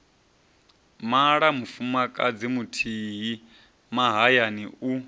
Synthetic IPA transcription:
maɺamufumakʼad͡zimutʰiɦi | maɦajaniu

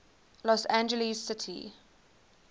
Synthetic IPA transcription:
lɔsæ̃nd͡ʒəlizsɪtʰḭ

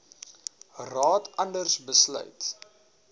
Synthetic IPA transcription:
rɑːtʰɐndərsbəslœ̰ɥt

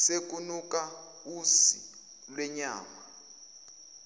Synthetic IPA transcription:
sek̬ʼunuk̬ʼa | usi | lwɛɲa̰ːma

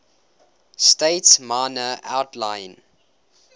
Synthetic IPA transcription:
steɪtsmanəʔaʊtʰlãɪn

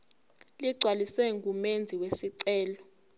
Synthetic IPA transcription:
liɡ͡ǀʱwalisɛŋɡumend͡zʱiwesiǀɛːlɔ

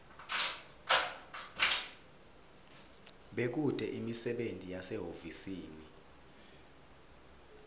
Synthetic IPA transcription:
ɓek̬ud̥ʱʼɛʔimisɛɓentʼijasɛɦovisiːni

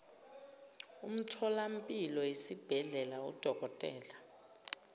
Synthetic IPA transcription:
um̩tʰɔlam̩pʼilɔjesib̥ʱɛɮɛlaṵd̥ʱɔkɔtʼɛ̰ːla

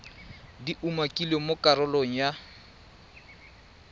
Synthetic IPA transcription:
diʔumakʼilemokʼaɾʊloŋ̩ja

